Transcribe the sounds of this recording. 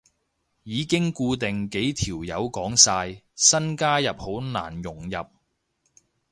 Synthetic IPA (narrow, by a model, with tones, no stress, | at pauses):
jiː˨˧kɪ˥ŋkuː˧t̪ɪ˨ŋke˨˥jt̪ʰiː˨˩wjɐ˨˧wkɔː˨˥ŋsaː˧jsɐ˥nkaː˥jɐ˨p̚ho˨˥wna̰ː˨˩njʊ˨˩ŋjɐ˨p̚